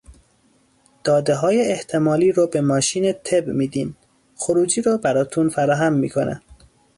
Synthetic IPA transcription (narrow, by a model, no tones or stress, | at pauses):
d̪̥ɒːd̪eɦɒːjeːht̪ʰe̞mɒːliːɾɒːbemɒːʃiːnet̪ʰebmiːd̪iːm | xoɾuːd͡ʒiːɾɔːbæɾɒːt̪ʰunfæɾɒːɦæmːḭːkʰonʔæ̰